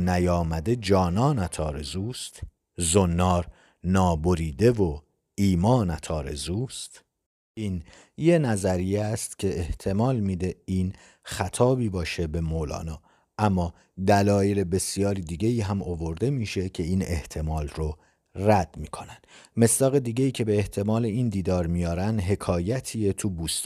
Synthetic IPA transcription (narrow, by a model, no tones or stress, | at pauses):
næjɒːmæd̪e̞d͡ʒɒːnɒːnæt̪ʰɒːɾe̞zuːst̪ | zonːɒːɾ | nɒːboɾiːd̪e̞vo | iːmɒːnæt̪ʰɒːɾe̞̰zuːst̪ | iːn | je̞næzæɾijest̪cʲʰe̞ʔeht̪ʰe̞mɒːlmiːd̪e̞iːn | xæt̪ʰɒːbiːbɒːʃebe̞molɒ̰ːnɒː | ʔæmːɒː | d̪ælɒːjele̞be̞sijɒːɾid̪iːɟe̞iːɦæmovo̞ɾd̪e̞miːʃe̞cʰe̞iːne̞̰ht̪ʰe̞mɒːlro | ræd̪̥miːkʰo̞nænd̪̥me̞sd̪ɒːɣe̞d̪iːɟeiːcʰe̞beːht̪ʰe̞mɒːleiːnd̪iːd̪ɒːɾmijɒːɾænd̪ɦe̞kʰɒːjæt̪ʰiːet̪ʰubuːst̪